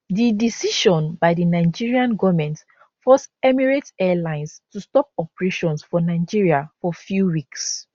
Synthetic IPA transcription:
didisiʃɔ̃nbaɪdinaɪd͡ʒiɹiãnɡɔvmɛ̃nt | fɔsɛmiɹetɛlãɪ̃nstustɔp̚ɔpɹeʃɔ̃nsfɔnaɪd͡ʒiɹiafɔfjuwiks

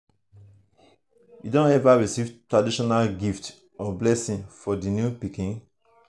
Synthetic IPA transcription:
jḭdõnɛvaɹisivtɹadiʃɔnalɡift | ɔblɛsĩnfɔdinjupikĩn

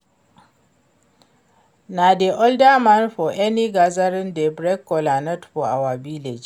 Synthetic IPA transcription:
nadeʔɔldamanɸɔʔɛniɡazaɾɪndɛbɾɛkːɔlanɛtɸɔʔawabilɛd͡ʒ

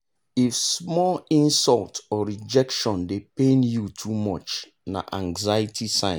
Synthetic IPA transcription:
ifsmɔlĩnsɔltɔɹid͡ʒɛkʃɔ̃ndepẽnjutʰumɔt͡ʃ | na̰ʔãŋɡzajitʰisãɪ̃

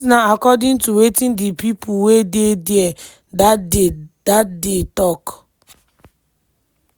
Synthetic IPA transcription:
naakɔdɪ̃ntuwetĩndipipʰuwededie | dad̥atdetɔk

